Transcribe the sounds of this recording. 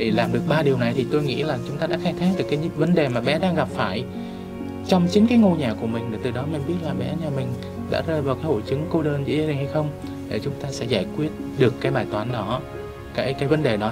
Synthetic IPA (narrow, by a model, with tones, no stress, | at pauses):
ɗe˧˩laː˨˩mɗɨ˨˩ək̚ɓaː˧ɗi˨˩əwna˨˩jt̪ʰi˨˩t̪o˧jŋḭ˧˥laː˨˩t͡ɕʊ˨˦ŋ͡mt̪aː˧ɗaː˧˥xaː˧jt̪ʰaː˦˥k̚ɗɨ˨˩əkːaː˨˦jvə˨˦nɗe˨˩maː˨˩ɓɛ̰˨˧˥ɗaː˧ŋɣa˨˩p̚faː˧˩j | t͡ɕɔ˧wŋ͡mt͡ɕï˨˦ŋ̟kaː˨˦jŋo˧ɲaː˨˩ku˧˩əmï˨˩ŋ̟ɗe˨˩t̪ɨ˨˩ɗɔ˨˦mï˨˩ŋ̟ɓi˦˥ət̚laː˨˩ɓɛ̰˧˥ɲaː˨˩mï˨˩ŋ̟ | ɗa̰ː˧˥zəː˧˩jvaː˨˩wkaː˨˦jho̰˧˩jt͡ɕɨ˨˦ŋko˧ɗəː˧nzɨ̰˧˥zə˧i̟˨˩ha˧jxə˧wŋ͡m | ɗe˧˨˩t͡ɕʊ˨˦ŋ͡mt̪aː˧sɛ̰˧˥zaː˧˩jkwi˦˥ət̚ɗɨ˨˩əkːaː˨˦jɓaː˧˩jt̪waː˨˦nɗɔ˨˦ | kaː˨˦jkaː˨˦jvə˨˦nɗe˨˩ɗɔ˨˦